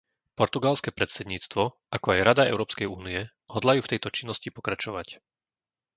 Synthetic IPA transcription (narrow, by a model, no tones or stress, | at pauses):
pɔɾt̪uɡalskɛːpɾɛt̪sɛd̪ɲiːt͡st̪ʋɔ | ʔakɔajɾad̪aɛ̰ʊɾɔːpskɛjuːniɛ | ɦɔd̪lajuːft̪ɛjt̪ɔt͡ʃinːɔscipɔkɾat͡ʃɔʋac